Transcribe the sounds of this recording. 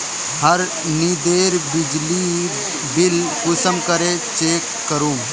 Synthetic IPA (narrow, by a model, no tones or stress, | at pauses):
həɾ | nid̪eːɾbɪd͡ʒliː | bɪlkʊsəmkəɾeːt͡ʃeːkːəɾũː